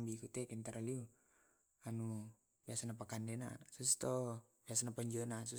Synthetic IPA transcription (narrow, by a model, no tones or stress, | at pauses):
mbikut̪ɛkɛnt̪aɾaliu | anu | biasanapakandɛna̰sus̬t̪ɔ | biasanapəɲd͡ʒənas̬u